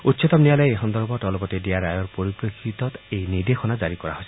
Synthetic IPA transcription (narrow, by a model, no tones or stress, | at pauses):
utːsɔt̪ɔmnialɔjeexɔnd̪ɔɾbɔʈɔlɔpɔt̪edeaɾajɔɾpɔɾipɾekʰːit̪ɔt̪ejniɾd̪exɔnad͡ʒaɾikɔɾa̰ɦosi